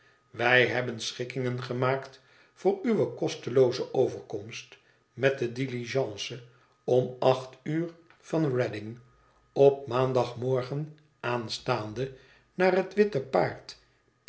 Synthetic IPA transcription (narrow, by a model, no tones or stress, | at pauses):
ʋɛjɦɛbənsχɪkɪŋənχəmaːkt | fʊːɹyʋəkɔstəlowzəʔowvəɹkɔmst | mɛt̚dədiliʒɑ̃ːsə | ɔmɑχtyːɹ | vɑnrɛdɪŋ | ɔp̚maːndɑχmɔɹχən | aːnstaːndə | naːrɦətʋɪtəpaːɹt